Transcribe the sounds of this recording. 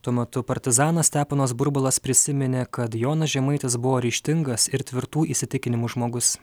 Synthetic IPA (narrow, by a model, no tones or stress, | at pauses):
t̪uɔmʲɛt̪ʊpɐɾʲt̪ʲɪzɑːnɐst̪ʲæːpɐnoːsbʊɾbʊlˠɐspʲɾʲɪsʲɪmʲɪnʲeːkɐt̪joːnɐsʒʲɛmɐɪt̪ʲɪsbʊʋoːɾʲɪːʃʲt̪ʲɪŋɡɐsɪɾt̪ʲʋʲɪɾt̪uːʔiːsʲɪt̪ʲɪkʲɪnʲɪmuʒmoːɡʊs